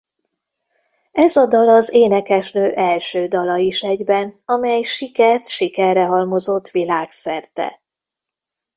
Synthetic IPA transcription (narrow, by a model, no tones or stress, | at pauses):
ɛzɒd̪ɒlɒzeːnɛkɛʃnøːʔɛlʃøːd̪ɒlɒiʃɛɟbɛnɒmɛjʃikɛrt̪ʃikɛrːɛɦɒlmo̞zo̞t̪ːʋilaːksɛrt̪ɛ̰